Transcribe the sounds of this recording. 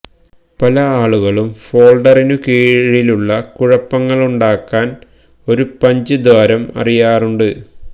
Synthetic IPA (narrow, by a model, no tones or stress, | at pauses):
pɐlɐaːɭuɣɐɭumfo̞ːɭɖɐrinukeːɻiluɭːɐkuɻɐpːɐŋːɐɭuɳɖaːkːaːn | o̞ɾupɐɲd͡ʑɨd̪ʋaːɾɐmɐ̰rijaːruɳɖɨ